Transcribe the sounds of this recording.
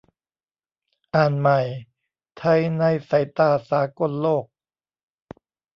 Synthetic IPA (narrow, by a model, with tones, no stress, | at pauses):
ʔaː˨˩nma˨˩j | t̪ʰa˧˥jna˧˩jsa˨˩˦jt̪aː˧˩saː˩˦ko˧˥˨nloː˥˩k̚